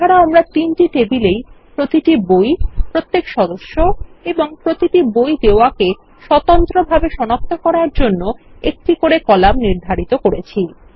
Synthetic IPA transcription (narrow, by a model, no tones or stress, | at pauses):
aɾaamɾat̪inʈiʈebilejpɾot̪iʈibojpɾot̪ːekʃɔd̪oʃːoeboŋpɾot̪iʈibojd̪eoake | ʃɔt̪ɔnt̪ɾobʱabeʃɔnok̚t̪ʰokɔɾaɾd͡ʑonːoek̚ʈikoɾekɔlamniɾd̪ʱaɾit̪okoɾet͡ɕʰi